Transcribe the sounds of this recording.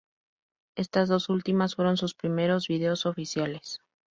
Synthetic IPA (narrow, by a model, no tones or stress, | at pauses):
e̞st̪azðo̞sult̪imasfwe̞ɾo̞nsuspɾime̞ɾo̞zβiðeo̞so̞fisjale̞s